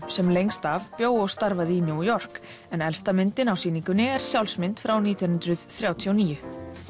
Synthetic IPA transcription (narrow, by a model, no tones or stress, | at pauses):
sɛmlejŋst̪avpjoːwɔɣst̪aɾvaðinjujɔr̥k | ɛnɛlst̪amɪnt̪ɪnawsiːniŋkʏnːɪɛɾ̥sjawlsmɪnt̪fɾawniːt̪jɔnʏnt̪ɾʏðθɾjawt̪ʰiɔniːjʏ